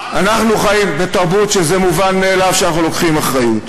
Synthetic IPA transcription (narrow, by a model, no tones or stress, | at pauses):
anaχnuχajimbe̞taʁbutʃezemuvanme̞ːlavʃeanaχnulo̞kχimaχʁajut